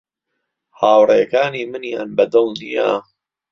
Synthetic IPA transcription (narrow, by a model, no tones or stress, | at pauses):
haːwrejɐkaːniːmɨnjaːnbɐd̪ɨlˠnija̰